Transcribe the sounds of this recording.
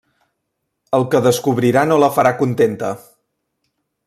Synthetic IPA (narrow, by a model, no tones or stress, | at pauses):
əlˠkəðəskuβɾiɾanoləfəɾakunt̪ent̪ə